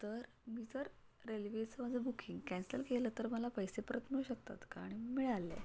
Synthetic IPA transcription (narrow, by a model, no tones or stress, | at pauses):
t̪əɾ | miːd͡zəɾːelʋet͡səmad͡zʱəbukʰiŋɡkɛ̃nsəlkeləːt̪əɾməlapəjsepəɾət̪miuɕək̚t̪a̰t̪kaɾəɽ̃imiɭalːḛ